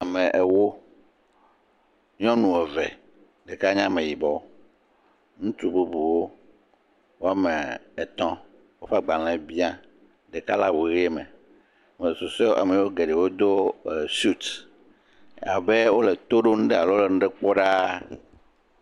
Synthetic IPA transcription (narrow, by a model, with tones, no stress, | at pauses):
a˨mɛ̃˨ʔe˨wo˦ | ɲɔ̃˦nũ˨ɛ˨vɛ˨ | ɖe˨ka˦ɲã˦mẽ˨ji˨bɔ˨ | nũ˦t̪u˦bu˦bu˨wo˦ | wo˦a˦mḛ̃˨e˨t̪ɔ̃˦ | wo˦fa˦ɡ͡ba˨l̃ɛ̃˨bi˦ã˦ | ɖe˨ka˦la˦wo˨ɣe˦e˦mɛ̰̃˨ | me˨so˨se˦ʔa̰˨mẽ˨wo˦ɡe˨ɖe˨wo˦d̪o˦˨su˦t̪ | a˨be˦wo˦le˨t̪o˦ɖo˦ŋũ˦ɖe˦a˨lo˦le˨nũ˦ɖɛ˦k͡pɔ˦ɖa˦